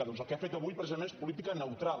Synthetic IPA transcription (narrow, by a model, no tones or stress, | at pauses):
əðɔnzəlˠkeafet̪əβujpɾeəmeespulit̪̬ikənəwt̪ɾa